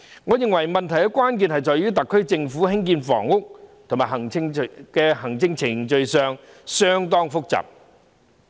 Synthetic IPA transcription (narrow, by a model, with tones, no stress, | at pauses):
ŋɔː˨˧jɪ˨ŋwɐ˨˩jmɐ˨nt̪ʰɐ˨˩jkɛ˧˥kʷaː˥nk̬i˨˧nhɐ˨jt͡sɔː˨jɥyː˥t̪ɐ˨kʰːɵ˥ɥt͡sɪ˧ŋfuː˨˥ɦɪ˥ŋkiː˧nfɔ̰ː˨˩ŋʊ˥k̚t̪ʰo˨˩maː˨˩jɦɐ˨˩ŋɪ˧ŋ˨kɛː˧hɐ˨˩ŋt͡sɪ˧ŋt͡sʰɪ˨˩ŋt͡ʃɵ˧ɥsœː˨ŋ | sœː˥ŋt̪ɔː˥ŋfʊ˥k̚t͡sɐ̰˨p̚